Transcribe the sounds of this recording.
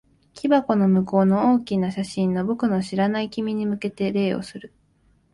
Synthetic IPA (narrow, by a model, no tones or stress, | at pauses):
kʲibako̞no̞mɯ̟ko̞ːno̞oːkʲinaɕaɕĩnːo̞bo̞kɯ̟no̞ɕiɾanaikʲimʲiɲ̟imɯ̟ke̞t̪e̞ɾe̞ːo̞̰sɨɾɯ̟